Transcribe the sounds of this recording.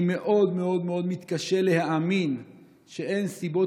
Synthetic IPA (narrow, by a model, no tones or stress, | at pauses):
me̞ʔo̞d̪me̞o̞d̪meo̞d̪mit̪kaʃelehaamin | ʃee̞nsibo̞